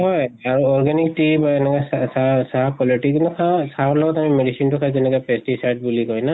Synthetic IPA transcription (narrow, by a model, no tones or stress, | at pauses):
ɦɔjaɹuɔɹɡɛnik̚tibaɛnɛkajssasaɦakɔlɔɹʈikinukʰasaɔɹlɔɡɔtamimedisintukʰajzɛnɛkɔjpɛstisajd̚bulikɔjna